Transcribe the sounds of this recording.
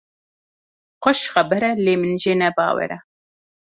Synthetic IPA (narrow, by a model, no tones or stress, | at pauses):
qʷɔʃχɐbɛɾɛleːmɨnʒeːnɛbɑ̰ːwɛ̰ɾɛ